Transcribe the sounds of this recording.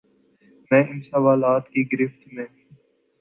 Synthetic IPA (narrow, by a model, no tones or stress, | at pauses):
mɛ̃ːʔɪnsəʋaːlaːt̪kiːɡɪɾɪft̪mẽː